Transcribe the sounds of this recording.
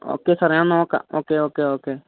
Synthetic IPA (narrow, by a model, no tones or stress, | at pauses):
o̰ːkeːsəɾãnõːka̰o̰ːkeːoːkeːoːkeː